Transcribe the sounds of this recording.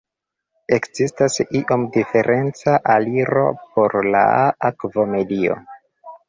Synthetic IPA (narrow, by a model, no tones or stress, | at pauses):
e̞kzistasiʔo̞mdife̞ɾʔe̞nt͡saʔaliɾo̞̰po̞ɾla̰akvo̞me̞dio̞̰